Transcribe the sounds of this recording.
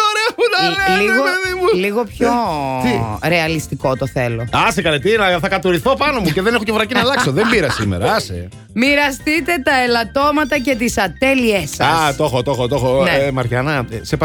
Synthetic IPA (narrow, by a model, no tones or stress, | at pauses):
oɾeunɐliɣoeðimuliɣo̞pçoiɾeɐlist̪iko̞t̪oθe̞lo̞ɐsekɐlet̪inɐθɐkɐt̪oɾiθo̞pɐno̞muce̞ðenexo̞cevɾɐcinɐlɐksso̞ðembiɾɐsimeɾɐɐsḛ | miɾɐst̪it̪e̞t̪ɐelɐt̪o̞mɐt̪ɐce̞t̪isɐt̪eliesɐɐst̪o̞xot̪oxot̪oxoneemɐɾʝɐnɐsep